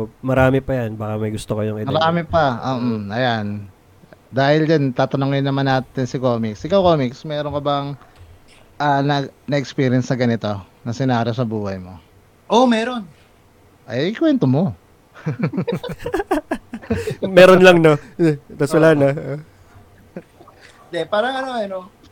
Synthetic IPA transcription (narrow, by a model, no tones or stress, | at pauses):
mɐɾaːmɛpɐjanbaːkɐmɐjɡʊst̪okɐjoŋɪmɐɾaːmɛpɐʔoːʔʔɐjan | d̪aːhɪld͡ʒant̪aːt̪ɐnoŋɪnːɐmanːaːt̪ɪnsɪkoːmɪksʔɪkɐwkoːmiksmɛːɾoŋkɐbɐŋ | ʔanɐnɐʔɛkspiːɾjɐnsnɐɡɐnɪt̪o̞nɐsɪnaːɾosɐbuːhɐjmo̞ | ʔomɛːɾo̞n | ʔɐjkwɛnt̪omo̞ | mɛːɾonlɐŋnot̪asʊlanao | nd̪ɛpaːɾɐŋɐno̞ɐno